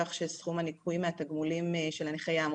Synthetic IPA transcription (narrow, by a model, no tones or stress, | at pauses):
aχʃesχumanikʰujmeat̪aɡmulimʃelaniχajaːm